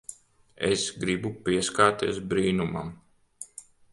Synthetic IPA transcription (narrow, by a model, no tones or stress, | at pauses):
ḛsɡɾibupiɛskaːt̪iɛsbɾiːnuma̰m